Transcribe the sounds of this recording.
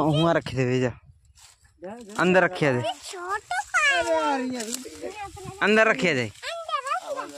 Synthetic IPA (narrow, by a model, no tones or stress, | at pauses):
ɦũãːɾəkʰːed̪eːʋeːd͡ʒaː | ənd̪əɾːəkʰːjaːd͡ʒaː | ɾ | ənd̪əɾːəkʰːjaːd͡ʒaːi